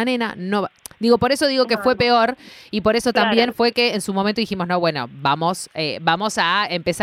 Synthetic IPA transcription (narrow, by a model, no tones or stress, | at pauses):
anena̰nod̪iɣo̞po̞ɾe̞so̞ðiɣo̞kefwe̞peo̞ɾipo̞ɾeso̞t̪ambje̞nfwe̞keːnsumomẽnt̪oðiximo̞snoβwe̞no̞̰bamo̞sebamo̞saempes